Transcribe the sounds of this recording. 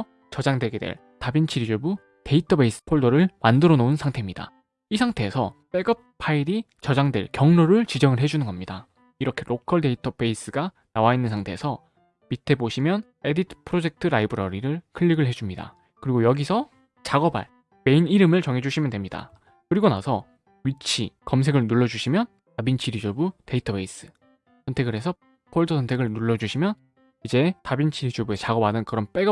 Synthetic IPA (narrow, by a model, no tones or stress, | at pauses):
t͡ɕʌd͡ʑaŋdwe̞ɡe̞dwḛɭ | tabint͡ɕʰiɾid͡ʑobu | te̞itʰʌbe̞is͈ɯ̥pʰoɭdʌɾɯɭmandɯɾʌnounsʰaŋtʰe̞imɲida̰ | isʰaŋtʰe̞ːsʰʌpe̞ɡʌp̚pʰaiɾi | t͡ɕʌd͡ʑaŋdwe̞ɭkjʌŋnoɾɯɭt͡ɕid͡ʑʌŋɯɭɦe̞d͡ʑunɯnɡʌmɲida | iɾʌkʰe̞ɾʔokʰʌɭde̞itʰʌbe̞is͈ɯɡa | nawainːɯnsʰaŋtʰe̞ːsʰʌ | mitʰe̞boɕʰimjʌn | e̞ditʰɯ̥pʰɯɾod͡ʑe̞k̚tʰɯɾaibɯɾʌɾiɾɯɭkʰɯʎːiɡɯɭɦe̞d͡ʑumɲida̰ | kɯɾiɡojʌɡisʰʌ | t͡ɕaɡʌba̰ɭ | me̞iniɾɯmɯɭt͡ɕʌŋɦe̞d͡ʑuɕʰimjʌndwe̞mɲida̰ | kɯɾiɡona̰sʰʌ | ɥit͡ɕʰḭkʌms̬ʰe̞ɡɯɭnuɭːʌd͡ʑuɕʰimjʌn | tabint͡ɕʰiɾid͡ʑobute̞itʰʌpʰe̞is͈ɯ̥ | sʰʌntʰe̞ɡɯɾe̞sʰʌ | kʰoɭdʰɯsʰʌntʰe̞ɡɯɭnuɭːʌd͡ʑuɕʰimjʌn | id͡ʑe̞tabint͡ɕʰiɾid͡ʑobuet͡ɕaɡʌbadɯnkɯɾʌnp͈e̞ɡa